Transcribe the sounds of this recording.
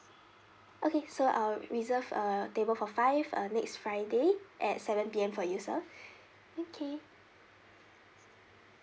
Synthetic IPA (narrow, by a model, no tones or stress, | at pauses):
ʔokesoʔa̰lɹizəvətebəlfɔfaɪvə̰nɛksfɹaɪdeʔɛt̚sɛvə̃npiɛ̃mfɔjusə | okʰe